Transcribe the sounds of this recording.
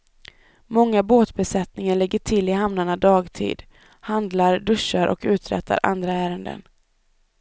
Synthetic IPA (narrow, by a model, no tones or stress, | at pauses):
mɔŋːaboːt̪bɛsɛt̪nɪŋaɭɛɡːəʈʰɪlɪhamnaɳad̪ɑːɡt̪ʰḭːd̪ | hand̪laɾɖɵʂːaɾʔɔ̰kʉ̟ːt̪ɾɛ̰t̪ʰːa̰ɾʔa̰nd̪ɾaæːɾənd̪ə̰n